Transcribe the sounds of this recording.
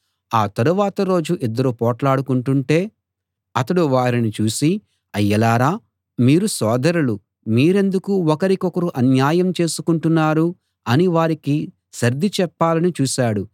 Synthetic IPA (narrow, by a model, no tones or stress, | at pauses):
aːt̪ɐɾuʋaːt̪ɐɾo̞ːd͡ʒuʔid̪ːɐɾupɔːʈlaːɽukuɳʈuɳʈe̞ː | ɐt̪ɐɽuʋaːɾinit͡ʃuːsi | ɐjːɐlaːɾaː | miːɾusɔːd̪ɐɾulu | miːɾe̞nd̪ukuɔkɐɾikɔkɐɾuʔɐnjaːjɐmt͡ʃe̞ːsu̥kuɳʈunːaːɾu | ɐniʋaːɾiki | ʃɐɾd̪ʱit͡ʃɛpːaːlɐnit͡ʃuːʃaːɽu